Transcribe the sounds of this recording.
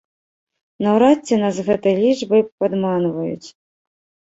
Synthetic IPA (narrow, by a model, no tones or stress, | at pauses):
nɐwɾat͡sʲːɛnazɣɛt̪ɐjlʲid͡ʐbɐjpad̪manvɐjṵt͡sʲ